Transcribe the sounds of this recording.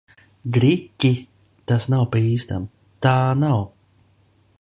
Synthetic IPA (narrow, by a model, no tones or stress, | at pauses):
ɡɾikʲːi | t̪asnawpaiːst̪a̰m | t̪aːnaw